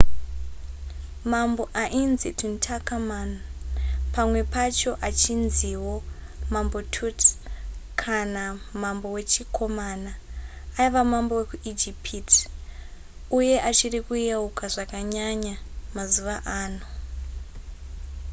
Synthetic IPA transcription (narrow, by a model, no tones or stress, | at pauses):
mambo̞ʔaʔinzituntʰakamanupamwe̞pat͡ʃo̞ʔat͡ʃinziwo̞ | mambo̞tʰut | kʰanamambo̞we̞t͡ʃikʰo̞manaː | iʋamambo̞we̞kuʔid͡ʒipʰiti̥ | uje̞ʔat͡ʃirikujaukaʐakaɲaɲamazuʋaʔaːno